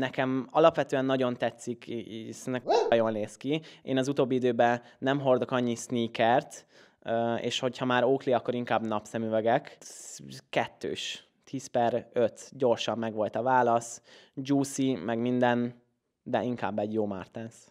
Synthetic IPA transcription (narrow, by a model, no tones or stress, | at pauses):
nɛkɛmɒlɒpʋɛt̪øːɛnːɒɟo̞nt̪ɛt̪sːiksnɛkɒjo̞nleːskiḛːnɒzut̪oːbːiid̪øːbɛ | nɛmɦo̞rd̪o̞kɒɲːisniːkɛrt̪ | øḛːʃho̞chɒmaːɾoːkliɒkːo̞ɾiŋkaːbnɒpsɛmyvɛɡɛk | kɛt̪ːø̰ːʃ | t̪ʰiːspɛɾø̞t̪ɟo̞rʃɒmːɛɡʋo̞lt̪ɒvaːlɒsd͡ʒuːsimɛɡmind̪ɛn | d̪ɛiŋka̰ːbːɛɟjoːma̰rt̪ɛns